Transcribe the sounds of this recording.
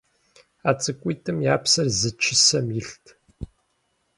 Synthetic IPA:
aːt͡sʼɨkʷʼiːtʼɨmjaːpsɐrzɨt͡ʃʰɪsɐmjɪɬtʰ

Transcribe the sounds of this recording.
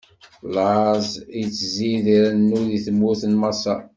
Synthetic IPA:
lʕazjt͡sːəziðiɾænːuðiθəmːuθənmɑsɑ

